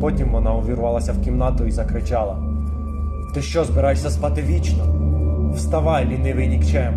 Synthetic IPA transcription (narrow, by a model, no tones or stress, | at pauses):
pɔtʲimʋɔnɑʊʋʲiɾʊʋɑlˠɐsʲɐwkʲimnɑt̪ʊizɐkɾɪt͡ʃɑlˠɐ | t̪ɪʃt͡ʃɔzbɪɾɑjʃsʲɐspɑt̪ɪʋʲit͡ʃnɔwst̪ɐʋɑlʲinɛʋɪnʲikt͡ʃɛm